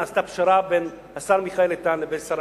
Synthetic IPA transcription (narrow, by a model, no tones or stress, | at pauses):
ast̪apʃaɾaben | hasaʁmiχaelet̪anlebensaɾ